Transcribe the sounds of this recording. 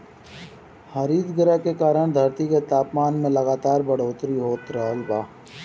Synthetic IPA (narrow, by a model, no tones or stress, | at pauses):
həɾiːd̪ɡɪɾakekaːɾəɽ̃d̪ʱəɾt̪iket̪aːpmaːnmẽlɐɡaːt̪aːɾbəɽ̤oːt̪ɾiɦoːt̪ɾəɦəlbaː